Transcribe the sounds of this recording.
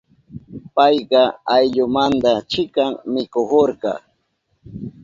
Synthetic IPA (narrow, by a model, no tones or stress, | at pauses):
pɑjɢɑajʎʊmand̪at͡ʃɪkaŋmɪkohoɾkɑ̰